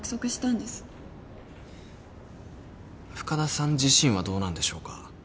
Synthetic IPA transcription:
kɯ̥so̞kɯ̟ɕi̥t̪ãnd̪e̞sɨ̥ | ɸɯ̟̥kad̪asãɲ̟d͡ʑiɕĩɰ̃βad̪o̞ːnãnd̪e̞ɕo̞ːka

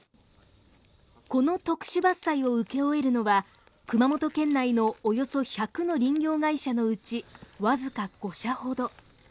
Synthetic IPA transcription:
ko̞no̞t̪o̞kɯ̟̥ɕibasːaio̞ɯ̟ke̞o̞e̞ɾɯ̟no̞βa | kɯ̟mamo̞t̪o̞kẽ̞nːaino̞ːjo̞so̞çakɯno̞ɾʲĩŋɡʲo̞ːɡaiɕano̞ɯ̟t͡ɕiβazɨkaɡ̥o̞ɕaho̞d̪o̞

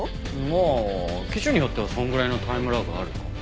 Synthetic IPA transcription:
mokʲiɕɨɲ̟ijo̞t̪ːe̞βasõ̞ŋɡɯɾaino̞t̪ʰaimɯ̟ɾaɡɯaɾɯ̟ka̰

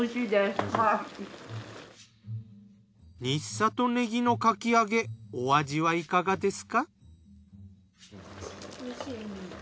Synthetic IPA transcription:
ɕid̪eska | ɲisːat̪o̞ne̞ɡʲino̞kakʲiaɡe̞oad͡ʑiβaikaɡad̪e̞sɨ̥ka

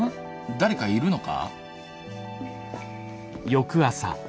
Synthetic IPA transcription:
d̪aɾe̞kaiɾɯ̟no̞ka̰ | jo̞kɯ̟asa̰

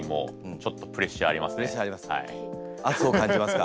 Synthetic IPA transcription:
imõ̰t͡ɕo̞t̪ːo̞pɯ̟ɾe̞ɕːɨa̰ɾʲimasɨeɕaɾʲimasa̰iasoːkãɲ̟d͡ʑimasɨ̥ka

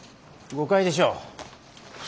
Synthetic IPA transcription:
ɡokaid̪e̞ɕ̬oː

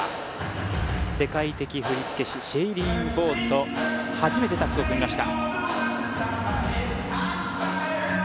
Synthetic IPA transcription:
se̞kait̪e̞kʲiɸɯ̟ɾʲit͡sɨ̥ke̞ɕiɕeiɾʲĩŋɯbo̞ːt̪ːo̞haʑime̞t̪e̞t̪akɯokɯmʲimaɕi̥t̪a̰

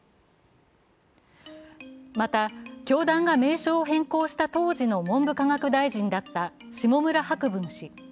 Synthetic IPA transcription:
mat̪akʲo̞ːd̪ãŋɡame̞ːɕo̞ːɦẽ̞ŋko̞ːɕi̥t̪at̪o̞ːʑino̞mõ̞mbɯ̟kaŋakɯ̟d̪aiʑĩnd̪at̪ːaɕimo̞mɯ̟ɾahakɯ̟bɯ̟̃ɰ̃ɕi

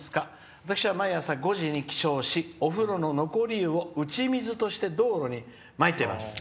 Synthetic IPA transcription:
sɨ̥ka | βat̪akɯ̥ɕiβamaiasaɡo̞ʑiɲ̟ikʲi̥ɕo̞ːɕio̞ɸɯ̟ɾo̞no̞no̞ko̞ɾʲiɯ̟o̞ɯ̟t͡ɕimʲizɨt̪o̞ɕi̥t̪e̞d̪o̞ːɾo̞ɲ̟i | mait̪e̞ma̰sɨ̥

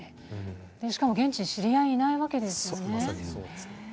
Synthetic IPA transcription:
d̪̥e̞ɕi̥kamo̞ɡẽ̞ɲt͡ɕiɕiɾʲijaiːnaiβake̞d̪e̞sɨjo̞ne̞

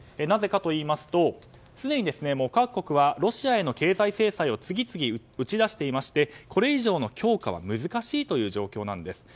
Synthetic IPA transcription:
enaze̞kat̪o̞iːmasɨ̥t̪o̞ | t͡sɨne̞ɲ̟id̪e̞sɨne̞moːkakːo̞kɯ̟βaɾo̞ɕiae̞no̞ke̞ːzaise̞ːsaio̞t͡sɨɡʲit͡sɨɡʲi | ɯ̟t͡ɕid̪aɕi̥t̪e̞imaɕi̥t̪e̞kʰo̞ɾe̞iʑo̞ːno̞kʲo̞ːkaβa̰mɯ̟zɨkaɕiːt̪o̞jɯ̟ːʑo̞ːkʲo̞ːnã̰nd̪e̞sɨ̥

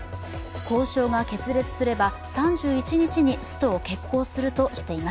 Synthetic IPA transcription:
ko̞ːɕo̞ːɡake̞t͡sɨɾe̞t͡sɨ̥sɨɾe̞ba | sãɲ̟d͡ʑɨːit͡ɕiɲ̟it͡ɕiɲ̟isɨ̥t̪o̞ːke̞kːo̞ːsɨɾɯ̟t̪o̞ɕi̥t̪e̞imas

